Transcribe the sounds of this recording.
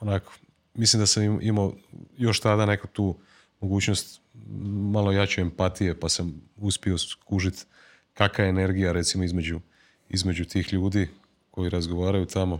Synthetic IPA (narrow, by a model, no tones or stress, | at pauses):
onakʰo̥ | mislimd̪asamʔimajo̞ʃt̪ad̪ane̞kut̪uː | moɡuːt͡ɕnost̪ | malo̞jat͡ɕeempat̪ije̞pasamuspio̞skuʒit̪ | kakajene̞ɾɡijaɾe̞t̪simo̞izme̞d͡ʑu | ḭzme̞d͡ʑut̪iːxʎuːd̪i | ko̞jiɾazɡo̞ʋaːɾajut̪ʰamo̞